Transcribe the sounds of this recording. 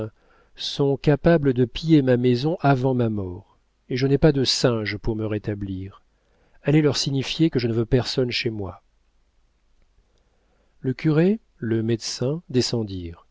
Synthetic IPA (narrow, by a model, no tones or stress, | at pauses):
sɔ̃kapabləd̪əpijemamɛzɔ̃ʔavɑ̃mamɔʁ | eʒənɛpad̪əsɛ̃ʒpuʁməʁet̪abliːʁ | ɛlɛlœʁsiɲifjekəʒənəvøpɛʁsɔnʃemwa | ləkʲyʁe | ləmɛd̪sɛ̃d̪esɑ̃d̪iːʁ